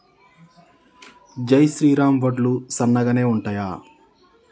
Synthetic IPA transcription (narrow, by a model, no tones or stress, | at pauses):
d͡ʒɐjʃɾiːɾaːmʋɐɖlusɐnːɐɡɐne̞ːuɳʈaːjaː